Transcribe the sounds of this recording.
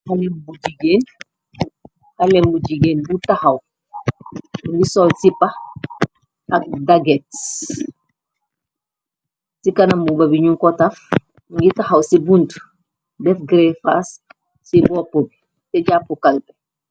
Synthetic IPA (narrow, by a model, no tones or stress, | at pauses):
halɛmbuɟiɡeːn | hɐlɛmbuɟiɡeːnbutahɐw | ŋɡisɔlsipɐ | ʔɐk̚daɡɛt̚ | sikɐnɐmbubɐbiɲuŋkɔtɐf | ŋɡitɐhɐwsibunt | dɛfɡɾɛfas | sibɔpob | sɛɟapːukɐlbɛ